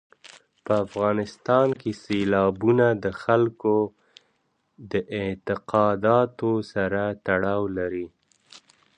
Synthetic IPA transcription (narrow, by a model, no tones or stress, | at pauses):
pəafɣɑnɪst̪ɑnkeselɑbunad̪əxalko | d̪əʔɪt̪ɪqɑd̪ɑt̪osaɾat̪aɽɑwlaɾi